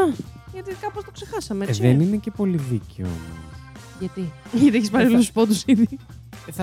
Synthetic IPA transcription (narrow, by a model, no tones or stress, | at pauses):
ɐʝɐt̪ikɐpost̪okse̞xɐsɐmeesiðeninece̞po̞liðiceo̰o̰mo̰s | ʝɐt̪iʝɐt̪ieçispɐɾeluspot̪usiði